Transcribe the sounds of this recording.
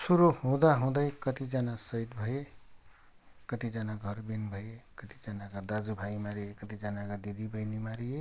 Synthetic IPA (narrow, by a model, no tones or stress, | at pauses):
suɾohõd̪aɦõd̪ajkət̪id͡ʒanasəjd̪bʱəe | kət̪id͡ʒanaɡʱʌɾbinbʱʌjekət̪i̥d͡ʒanaɡəd̪ad͡ʒubʱaimaɾiekət̪id͡ʒanaɡad̪id̪ʱibʱəjnimaɾije